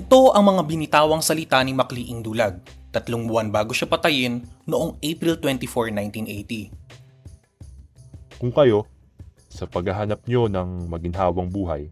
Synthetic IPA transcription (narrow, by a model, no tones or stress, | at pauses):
ʔɪt̪o̞ʔɐŋmɐŋabɪnɪt̪aːwɐŋsɐlɪt̪animɐkliːʔɪŋd̪ulaɡ̚t̪ɐt̪loŋbʊwanbaːɡoʃapɐt̪ɐjɪnːoʔoŋʔejpɾilt̪wɛnt̪ifoɹnajnt̪inʔejt̪i | kʊŋkɐjo̞ | sɐpɐɡɐɦanɐp̚ɲonɐŋmɐɡɪnɦaːwɐŋbuːɦɐ̰j